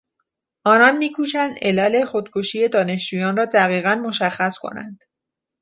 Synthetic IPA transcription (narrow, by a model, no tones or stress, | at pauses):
ʔɒːnɒːnmiːkʰuːʃænd̪ʔelɒːle̞xod̪̥kʰoʃiːje̞d̪ɒːne̞ʃd͡ʒuːjɒːnrɒːd̪æɣiːɣænmoʃæxːæskʰo̞̰næ̰nd̪̥